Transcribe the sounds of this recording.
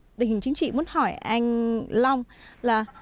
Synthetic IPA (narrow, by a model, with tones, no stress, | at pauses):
t̪i̟˨˩˨ŋt͡ɕï˨˦ŋ̟t͡ɕḭ˧˨mu˨˦nhɔ˧˩jʔa˧jŋ̟lɔ˧wŋ͡mlaː˨˩